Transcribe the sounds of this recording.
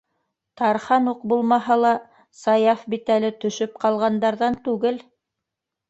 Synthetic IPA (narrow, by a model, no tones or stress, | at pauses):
t̪ɑɾχɑnuqbulˠmɑɦɑlˠɑ | sɑjɑfbit̪ælɘt̪ɵ̆ʃɵp̚qɑlˠʁɑnd̪ɑɾðɑnt̪ʉɡɘl